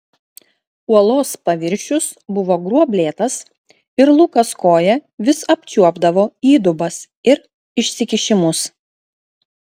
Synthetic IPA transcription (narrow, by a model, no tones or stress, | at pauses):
uɔlˠoːspɐʋʲɪɾʲʃʲʊsbʊʋoːɡɾuɔbʲlʲeːt̪ɐs | ɪɾlˠuːkɐskoːjɛʋʲɪsɐpʲt͡ʃʲuɔbd̪ɐʋoːiːd̪ʊbɐs | ɪɾ | ɪʃʲsʲɪkʲɪʃʲɪmʊs